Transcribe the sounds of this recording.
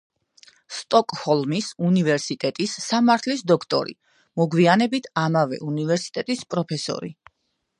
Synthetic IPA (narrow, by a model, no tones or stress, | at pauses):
st̪ʼɔkʼhɔlˠmisunivɛɾsit̪ʼɛt̪ʼisːamaɾt̪ʰlisd̪ɔkʰt̪ʼɔ̰ɾḭ | mɔɡwianɛbit̪ʰamavɛ̰ʔunivɛɾsi̥t̪ʼɛt̪ʼispʼɾɔpʰɛsɔ̰ɾḭ